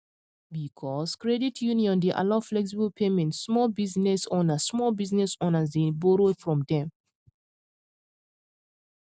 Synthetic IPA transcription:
bikʰɔskɹɛditʰjuniɔ̃ndeʔa̰laflɛks̬ibəlpʰemɛ̃ntsmɔlbiznɛsɔnasmɔlbiznɛsɔnazdĩnboɾofɹɔ̃mdɛ̃m

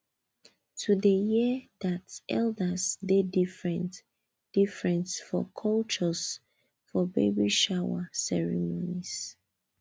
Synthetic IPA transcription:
tʰudəjidatɛ̰ldəsdedifɹɛ̃nt | d̥ifɹɛ̃nsfɔ̰kʰɔlt͡ʃɔs | fɔbḛbiʃawa̰sɛɹḭmonis

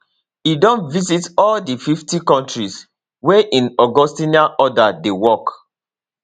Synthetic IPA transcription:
idɔ̃ntvizitɔldififtikɔ̃ntɹis | wɛʔĩnɔɡɔstinaʔɔdadewɔk

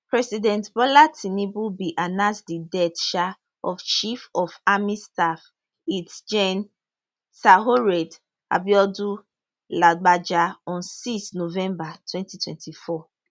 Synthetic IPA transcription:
pɹɛsidɛ̃ntbɔlatʰinibubiʔanãsdidɛtʃa | ɔft͡ʃifɔfamistaf | itd͡ʒɛ̃n | saɦoɹɛd | a̰biɔdu | laɡ͡bad͡ʒaɔ̃nsistnovɛ̃mbatʰwɛ̃ntitʰwɛ̰̃ntʰifɔ

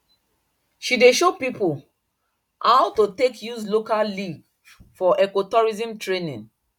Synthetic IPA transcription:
ʃideʃopipol | haʊtotekjuzlokalliɡ | fɔʔɛkotɔɹizĩmtɹenḭ̃n

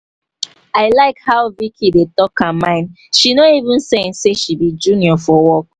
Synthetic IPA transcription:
aɪlaɪkhaʊvikʰidetɔkãmãɪ̃n | ʃinoivũnsẽnseʃibid͡ʒuniɔfɔwɔk̚

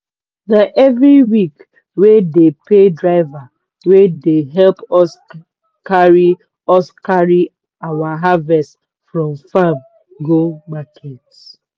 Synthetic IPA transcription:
naʔɛvɹiwik | wedepedɹaɪva | wedeɦɛlpɔs | kaɹi | ɔskaɹi | awaɦavɛst | fɹɔ̃mfam | ɡomakʰet

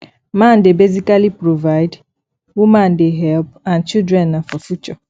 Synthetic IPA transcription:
mãndebezikalipɾovaɪd | wumãndɪɦɛlpãnt͡ʃildɾɛ̃nːafɔfut͡ʃɔ

